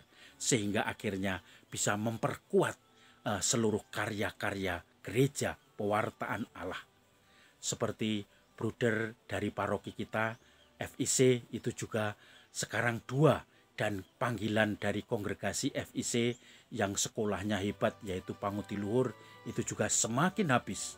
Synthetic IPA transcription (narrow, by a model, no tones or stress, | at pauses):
səɦiŋɡaʔakirɲab̥isaməmpərkuat̪̚ | əsəluɾʊhkaɾjakareja | ɡ̥əɾed͡ʒa | pəwart̪aʔana̰lah | səpərt̪i | b̥ɾud̥ərd̥aɾipaɾokikit̪a | ɛfiseit̪ud͡ʒuɡ̥asəkaɾaŋd̥ua | d̥anpaŋɡiland̥aɾikɔŋɡɾeɡ̥asiʔɛfisejaŋsə̥kolahɲaɦeb̥at̪̚jait̪upaŋut̪iluɦʊrit̪ud͡ʒuɡ̥asəmakɪnɦabɪs